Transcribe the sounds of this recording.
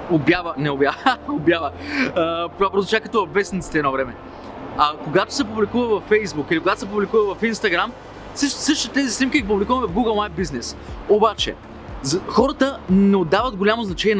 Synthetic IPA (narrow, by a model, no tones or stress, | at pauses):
objavənɛobjavəobjavəəp̪apɾzt͡ʃakɐt̪ɔɐvɛsnit̪t̪ɛnovɾɛmɛ | ɐkoɡat̪o̥sɛpublikuvəvɐfɛjzbukilikoɡat̪osɛpublikuvəvɐfinst̪ɐɡɾam | səʃsɤʃt̪t̪ɛzisnimkʲiɡp̬ublikuvəmɛvɡuɡəlˠmaj̚biznɛsobat͡ʃɛ̰ | zxɔɾət̪ənɛod̪ːavəd̪̚ɡolʲamoznɐt͡ʃɛnʲiɛ